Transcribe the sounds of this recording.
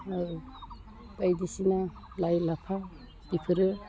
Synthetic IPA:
pajdisina | lajlapʰa | dipʰɯɾɯ

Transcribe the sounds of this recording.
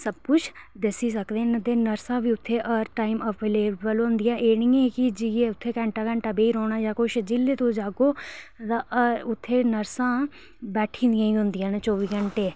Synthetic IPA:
səb̚kʊt͡ʃʰd̪ɪsiːs̬əkd̪eːnd̪eːnəɾsãːbiːʊt̪ʰːeːʔəɾʈaːimɔːpʰleːbəlõɦʊnd̪ɪjãːʔeːnijãːkɪd͡ʒieʊt̪ʰːeːkɛ̃ɳʈaːkə̃ɳʈabeːiːɾoːɽ̃aːjãːkʊʃd͡ʒɪlːeːt̪õːd͡ʒaːɡoːt̪ãʊt̪ʰːeːnəɾsãː | bɛːʈʰĩːnd̪ɪjãːĩːʊ̃nd̪ɪjãːnːt͡ʃɔːʋiːkəɳʈeː

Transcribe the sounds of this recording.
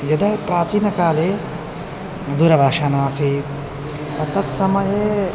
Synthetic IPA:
jɐd̪ɐpɾaːt͡ʃiːnɐkaːleː | d̪uɾɐbʱaːʃaːnaːsiːt̪ | ɐt̪ɐt̪sɐmɐje

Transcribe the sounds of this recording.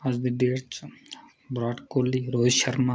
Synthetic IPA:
ɐzd̪iɖeːɾt͡ʃ | bɾaːʈkoːliɾoːʃɐɾmã

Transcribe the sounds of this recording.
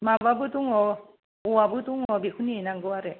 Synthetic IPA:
mababuduŋɔ | uwabɯduŋɔbikʰunienaŋɡɯwaɾe

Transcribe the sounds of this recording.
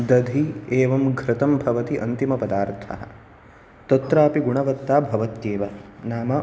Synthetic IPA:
d̪ɐd̪ʱieːʋɐmɡʱɾɪt̪ɐmbʱɐʋɐt̪iʔɐnt̪imɐpɐd̪aːɾt̪ʰɐ̰ɦɐ̰ | t̪ɐt̪ɾaːpiɡuɳɐʋɐt̪ːaːbʱɐʋɐt̪jeːʋɐnaːmɐ

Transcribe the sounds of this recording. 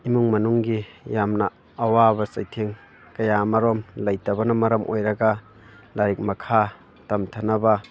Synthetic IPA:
imuŋmɐnuŋɡijamnɐː | wabɐsɐjtʰeŋ | kɐjamɐɾomlɐjtɐbɐnɐmɐɾɐmʔojɾɐɡɐ | laɾik̚mɐkʰa | tɐmtʰɐnɐbɐ

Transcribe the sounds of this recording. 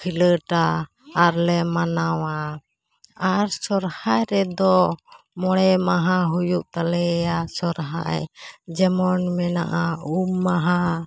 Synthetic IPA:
kʰiləʈaː | ɾlɛmanawa | aɾsɔɾhajɾɛd̪ɔ | mɔɽɛmaɦaɦujuʔt̪alɛjasɔɾɦa̰jd͡ʒɛmɔnmɛna̰ʔaumːaɦa

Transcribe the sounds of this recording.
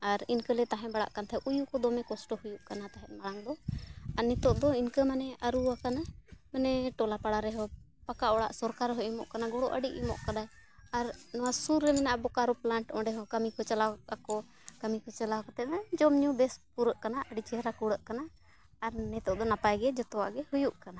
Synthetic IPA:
aɾinkəlɛt̪aɦɛ̃baɽa̰ʔkant̪ʰaɛʔujukɔd̪ɔmɛkɔsʈɔhujuʔkanat̪aɦɛʔ̪̚maɽaŋd̪ɔaɾnɛt̪ɔʔd̪ɔinkəmanɛaɾuakanamanɛʈɔlapaɽaɾɛɦɔ | pakaʔɔɽa̰ʔsɔɾkaɾɦɔjʔimɔʔkanaɡɔɽɔʔəɖiʔimɔ̰ʔkad̪aj | aɾnɔwasuɾːɛmɛnaʔbɔkaɾuplaɳʈɔ̃ɳɖɛɦɔkəmikɔt͡ʃalaakɔ | kəmikɔt͡ʃalakɔt̪ɛmɛd͡ʒɔmɲubɛspuɾəʔkanaʔəɖit͡ʃɛɦɾakuɽəʔkanaː | ɾnɛt̪ɔʔd̪ɔnapajɡɛd͡ʒɔt̪ɔwa̰ʔɡɛhujuʔkana

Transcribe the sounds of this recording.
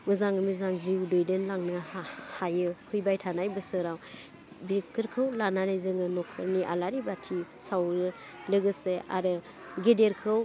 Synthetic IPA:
mɯzaŋɯmizaŋziwdojdɯnlaŋnɯhahajɯkʰɯjbajtʰanajbɯsɯɾaw | bikʰɯɾkʰɯwlananajzɯŋɯnɔkʰɯɾniʔalaɾibatʰi | sawɾɯ | lɯɡɯseʔa̰ɾɯ | ɡedeɾkʰɯw

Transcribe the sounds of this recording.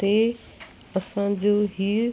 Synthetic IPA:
e | ɐsãd͡ʑoːɦiː

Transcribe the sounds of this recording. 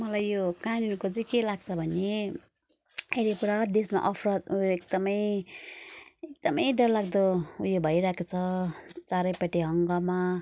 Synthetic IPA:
mʌlajːokaninukot͡sʌ̃j̃kelaɡ̚t͡sʰʌbʱʌne | eɾipuɾad̪esma̰ʔʌpʰrʌt̪ujoek̚d̪ʌmʌj | ek̚d̪ʌmʌjɖʌllaɡ̚d̪oujobʱʌjɾaekot͡sʰʌt͡saɾʌjpaʈiɦʌŋɡʌma

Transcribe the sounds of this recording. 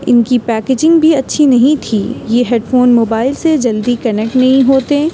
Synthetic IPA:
ɪ̰nkipɛːkeːd͡ʒɪ̃ŋɡbʱiɐtːʃʰinɐɦĩt̪ʰiːjeːɦeːɖfoːnmoːbaːɪlsed͡ʒɐld̪ikɐnɛk̚ʈnɐɦĩɦoːt̪e

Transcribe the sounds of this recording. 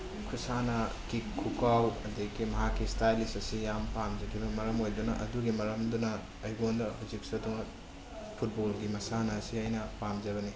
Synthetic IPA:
kʰusanɐ | kikʰːukawɐdekimɐɦakːistajlistɐsijampamd͡ʒɐkʰibɐmɐɾɐmojdunɐʔɐ̰duɡimɐɾɐmdunɐ | ɐjɡondɐhuziksɐdumɐt̚ | pʰut̚bolɡimɐsanɐːsiajnɐpamd͡ʒɐbɐni

